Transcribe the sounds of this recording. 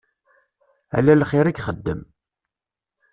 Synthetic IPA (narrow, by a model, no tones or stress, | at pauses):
æ̰lælχɪɾæɡχəd̪ːəm